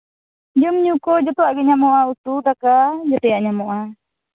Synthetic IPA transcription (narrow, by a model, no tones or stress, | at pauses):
d͡ʒɔmɲukɔd͡ʒɔt̪ɔaʔɡɛɲamoʔaut̪ud̪akad͡ʒɔt̪ɔjaʔɲamoʔa